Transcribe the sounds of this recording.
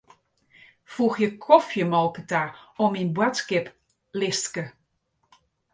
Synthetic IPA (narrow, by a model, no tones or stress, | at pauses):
fuxjəkʰɔfjəmɔlˠkətaɔminbwatskɪp | lɪstkə